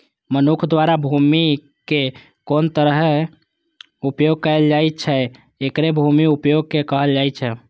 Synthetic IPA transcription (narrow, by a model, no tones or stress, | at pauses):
mənukʰd̪waɾabʱumi | ke | kont̪əɾəɦ | upjoɡ̚kəeld͡ʒajt͡ʃʰɛ | ekɾebʱumiupjoɡ̚kekəɦəld͡ʒajt͡ʃʰɛ